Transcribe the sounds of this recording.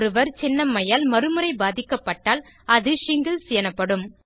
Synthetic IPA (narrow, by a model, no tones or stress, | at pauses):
ɾɯʋɐɾt͡ʃɛnːɐmːɐjaːlmɐɾɯmɯɾɐɪbaːðɪkːɐpːɐʈːaːl | ɐðɯʂɪŋɡɐlsɪjɐnɐpːɐɽɯm